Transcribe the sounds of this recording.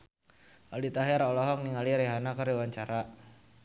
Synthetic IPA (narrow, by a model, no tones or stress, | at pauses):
ʔalit̪aɦɛɾɔlɔɦɔk̚niŋaliɾɛɦanakəriwaɲt͡ʃaɾa